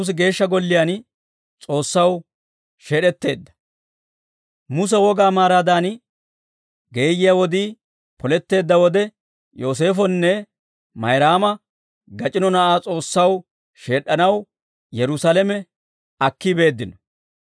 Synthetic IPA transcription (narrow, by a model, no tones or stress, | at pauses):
s̬ɡe̞ːʃːɐɡɔlːɪjaːn | t͡sʼo̞ːsːɐw | ʃe̞ːɗɛt̪ːe̞ːd̪ːɐ̥ | mʊs̬ɛwɔɡaːmaːɾaːd̪aːn | ɡe̞ːjɪjawɔd̪iː | pɔlɛt̪ːe̞ːd̪ːɐwɔd̪ɛ | jo̞ːs̬e̞ːfɔnːɛ | mɐjɾaːmɐ | ɡɐt͡ʃʼɪnɔnɐʔaːt͡sʼo̞ːsːɐw | ʃe̞ːɗːɐnɐw | jɛɾʊsaːlɛmɛ | ɐkːɪbe̞ːd̪ːɪnɔ